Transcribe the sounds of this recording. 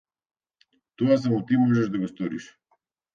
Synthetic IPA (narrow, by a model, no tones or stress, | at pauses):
t̪ɔas̬amɔt̪imɔʒɛʒd̪aɡɔst̪ɔɾiʃ